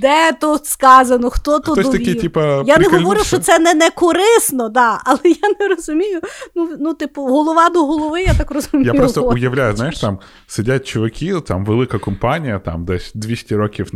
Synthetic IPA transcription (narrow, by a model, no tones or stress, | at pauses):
d̪ɛt̪ɔt̪skɑzɐnɔxt̪ɔt̪ɔd̪ɔɔt̪ɐikʲitʲipɐjanɛɦɔʋɔɾʲɪʃt͡ʃɔsɛnɛnɛkɔɾɪsnɔd̪ɑɐlˠɛjanɛɾɔzʊmʲijʊnunut̪ɪpʊɦɔlˠɔʋɑd̪ɔɦɔlˠɔʋɪjat̪ɑkrɔzʊmʲijapipɾɔst̪ʊjɐʋlʲajʊzajɪʃt̪am | sɪdʲat̚ʲt͡ʃɔʋɐkʲit̪a̰mʋelˠɪkɐkɔmpɑnʲijɐt̪a̰md̪ɛsʲd̪ʲʋʲisʲtʲiɾɔkʲiw